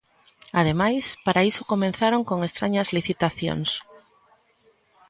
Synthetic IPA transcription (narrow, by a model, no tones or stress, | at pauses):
að̞emajspaɾaisokomẽn̟θaɾoŋkoŋest̪ɾaɲɐzliθit̪aθjo̰ŋs